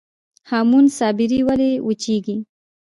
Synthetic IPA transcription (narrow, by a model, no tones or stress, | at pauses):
hamunsɑːbɪɾiwaleʔut͡ʃiɡi